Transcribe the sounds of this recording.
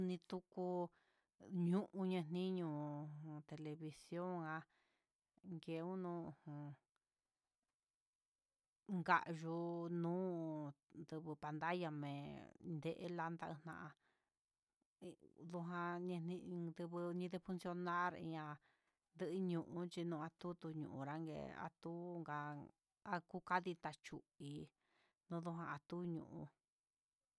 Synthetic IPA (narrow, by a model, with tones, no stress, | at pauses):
nĩ˧t̪u˦ku˧ | ɲũ˦ʔũ˧ɲẽ˧nĩ˦ɲũ˧˨hũ˧t̪e˧le˧βi˧sjo˦ŋã˧ | ŋɡe˧˨˧ũ˦nũ˦u˧hũ˨˧ | ŋɡa̰˧˨ʔʒu˧nũː˦ | nd̪ɨ˧βɨ˧pa˧nd̪a˦ja˧mẽ˨nd̪e˦˧ʔḛ˧˦la˧nd̪a˧ʔɨ˧nã̰˧ʔa˧ | ðu˧ɦã˧ɲẽ˧nĩ˧ĩ˧d̪ɨ˧βɨ˧ɲĩ˧ðe˧fu˧nsjo˧nã˦ɾḭ̃˧ɲã˧ | nd̪ɨ˧ʔɨ˧ɲũ˨ʔũ˧t͡ʃi˧nũː˧a˧t̪u˦t̪u˧ɲṵ̃˨ʔṵ̃˨ɾa˦ŋɡḛ˧˨a̰˧t̪u˦ŋɡa˧ | a˦ku˦ka˦ði˧t̪a˧t͡ʃu˧i˨ | nũ˦ðu˧ɦã˧a˧t̪u˦ɲṵ̃˨ʔṵ̃˧